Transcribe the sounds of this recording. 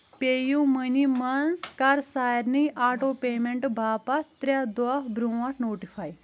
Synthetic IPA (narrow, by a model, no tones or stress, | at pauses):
peːjũmənimɐnzkɐɾsaːjɾnɨʔaːʈoːpeːmeɳʈbʱaːpat̪ɾʲad̪waːbɾũaɾnoːʈifʰaːj